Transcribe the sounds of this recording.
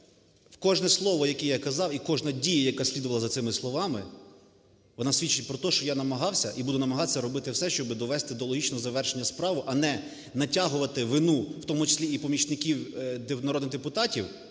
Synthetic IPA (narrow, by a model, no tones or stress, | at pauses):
wkɔʒnɛslˠɔʋɔjɐkɛjakɐzɑwikɔʒnɐdʲijɐjɐkɑsʲlʲid̪ʊʋɐlˠɐzɐt̪sɪmɪslˠɔʋɑmɪ | ʋɔnɑsʲʋʲit͡ʃːɪt̚ʲpɾɔt̪ɔʃt͡ʃɔjanɐmɐɦɑwsʲɐʔibud̪ʊnɐmɐɦɑt̪sʲːɐɾɔbɪt̪ɪwsɛʃt͡ʃɔbɪd̪ɔʋɛst̪ɪd̪ɔlˠɔɦʲit͡ʃnɔɦɔzɐʋɛrʃenʲːɐspɾɑʋʊʔɐnɛ | nɐtʲaɦʊʋɐt̪ɪʋɪnuwt̪ɔmʊt͡ʃɪ̥sʲlʲiipɔmʲit͡ʃnɪkʲiwd̪nɐɾɔd̪nɪɣd̪epʊt̪ɑtʲiw